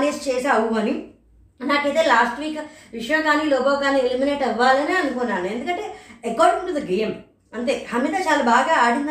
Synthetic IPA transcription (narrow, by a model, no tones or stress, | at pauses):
neːst͡ʃeːsaːwuɐni | naːkeːt̪eːlaːsʈʋiːkʋiʂɐjɐ̃ːkaːniːlɔːbaːwkaːnielimineːʈɐʋːaːlɐniːɐnukonːaːnue̞nd̪ukɐɳʈeːekoːɾɖmeɳʈud̪ɐɡeːjm | ɐɳt̪eːhɐmid̪aːt͡ʃaːlabaːɡaːaːɽind̪